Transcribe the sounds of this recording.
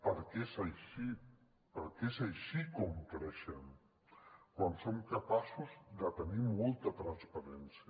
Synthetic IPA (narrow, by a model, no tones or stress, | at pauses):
pəɾkesajʃi | pəɾkezajʃikɔmkɾɛʃən | kwansoŋkapasuzd̪ət̪ənimɔlˠt̪ət̪ɾanspaɾɛnsiə